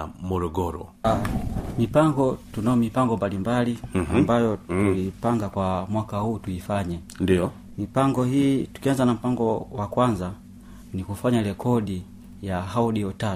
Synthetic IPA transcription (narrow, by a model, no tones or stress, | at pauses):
mɔɾɔɡɔɾɔ̰ | mipaŋɡɔtunaɔmipaŋɡɔmbalimbalia̰mbajɔtulipaŋɡakwamwakahuːtuifaɲɛ | ndiɔ | mipaŋɡɔhiːtu̥kianzanam̩paŋɡɔwakwanza | nikufaɲalɛkʰɔɗi | jahauɗiɔta